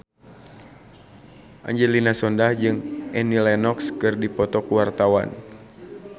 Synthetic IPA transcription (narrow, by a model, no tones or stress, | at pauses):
ʔa̰ɲd͡ʒɛlinasɔndahd͡ʒɨŋʔɛnilɛnɔkskɨrdipɔt̪ɔkuwart̪awa̰n